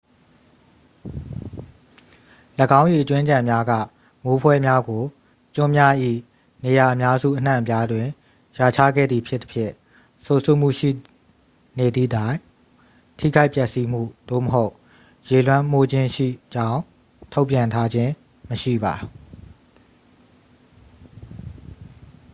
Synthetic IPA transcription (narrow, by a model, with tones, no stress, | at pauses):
ləɡã˦ʊ̃ji˨ʔət͡ɕwɪ̃˦d͡ʑã˨mja˦ɡä̰˦˨ | mo˦pʰwɛ˦mja˦ɡo˨ | t͡ɕʊ̃˦mja˦ʔḭ˦˨ | ne˨ja˨ʔəmja˦zṵ˦˨ʔən̥ã̰˦˨pja˦dwɪ̃˨ | ja˨t͡ɕʰa̰˦˨ɡɛ̰˦˨d̪ði˨pʰjɪ˦t̪ːə̥pʰjɪ̰̃˦˨ | so˨so˦˨m̥ṵ˦˨ʃḭ˦˨ | ne˨d̪ði˦˨dã˦˨ɪ̃ | tʰḭ˦˨ɡa˦ɪpjɛ˦ʔsi˦m̥ṵ˦˨d̪̥o̰˦˨məɦo˦ʊ | je˨lwã˦m̥o˦d͡ʑɪ̃˦ʃḭ˦˨d͡ʑã˦ʊ̃ | tʰo˦ʊʔpjã˨ntʰa˦d͡ʑɪ̃˦ | məʃḭ˦˨ba˨